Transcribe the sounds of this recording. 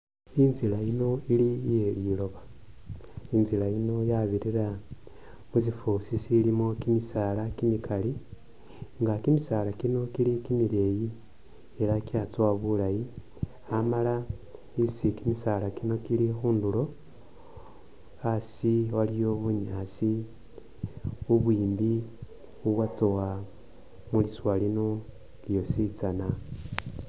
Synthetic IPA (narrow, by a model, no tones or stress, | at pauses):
inzilaino̞ilijeilo̞βḁ | inzilaino̞jaβiɾiɾa | muzifusisilimo̞kimisaːlakimikʰali | ŋɡakimisalakino̞kilikimiɾe̞ːji | eɾakat͡swaβulaji | amala | isikimisalakino̞kilixuːndulo̞ | asiwalijoβuɲaːsi | uβwiːmbi | uβwat͡sowa | muliswalino | ljo̞sit͡sana